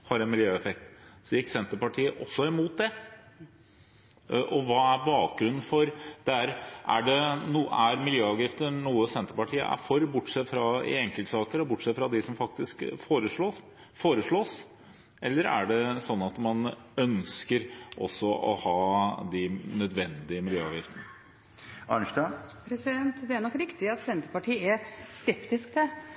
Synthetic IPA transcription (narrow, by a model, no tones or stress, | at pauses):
hɑɾɛnmɪljøːɛfɛkt̪sɔjɪksɛnt̪əpɑʈʰiːəʔɔsːɔɪmuːt̪̚d̪ɛ | ʔɔʋɑːæɾbɑːk̚ɡɾʉnːn̩fɔɾd̪̥ɛæɾʔæɖɛnuːæɾmɪljøːɑʋɡɾɪft̪ənuːəsɛnt̪əɾpɑʈʰiːə̰ʔæ̰ɾfɔɾbʊʈːʂɛt̪ːfɾɑɪ̰ɛŋkəlt̪sɑːkəɾɔbʊʈːsɛt̪fɾɑd̪ɪsɔmfɑk̚t̪ɪskfoːɾəʂɭoː | foːɾəʂɭoːs | ɛlːəɾæ̰ɖɛsɔnːɑt̪mɑn | œnskəɾʔɔ̰sːɔʔɔ̰hɑːd̪ɪnœd̪ʋɛnd̪ɪəmɪljøːɑ̰ːʋjɪft̪ənə | ɑnəʂd̪ɑpʰɾɛsɪd̪ɛnt̪d̪ɛæɳnɔkːɾɪkt̪ɪɑt̪sɛnt̪əɾpɑʈʰiːæskɛpt̪ɪsk̚d̪ɛ